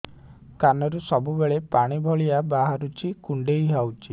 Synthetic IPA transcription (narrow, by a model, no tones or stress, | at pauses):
kanɔɾusɔbubeɭepaɽ̃ibʱɔɭiabaɦaɾut͡ʃʰikuɳɖejɦawt͡ʃʰi